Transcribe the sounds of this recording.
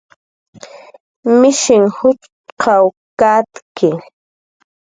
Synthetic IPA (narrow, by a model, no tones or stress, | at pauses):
mɪʃɪŋhʊt͡ʃ | qʰawkat̪kɪ